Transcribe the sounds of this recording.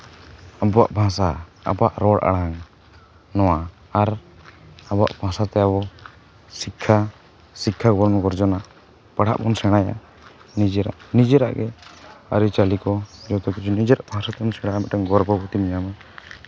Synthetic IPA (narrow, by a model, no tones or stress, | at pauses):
abɔwa̰ʔbʱãsaa̰baʔɾɔɽʔa̰ɽaŋ | nɔwa | aɾ | abɔwa̰ʔbʱãsat̪ɛjabɔ | sikʰːa | sikʰːaɡɔɾmɡɔɾd͡ʒɔnaʔ | paɽ̤a̰ʔbɔ̰nsɛɽ̃aja̰ | nid͡ʒɛɾa̰ʔnid͡ʒɛɾa̰ʔɡɛa̰ɾit͡ʃalikɔd͡ʒɔt̪ɔkit͡ʃʰunid͡ʒɛɾaʔbʱãsat̪ɛbɔnsɛɽajamit̪ɾɛŋɡɔɾbɔɡɔt̪imiɲama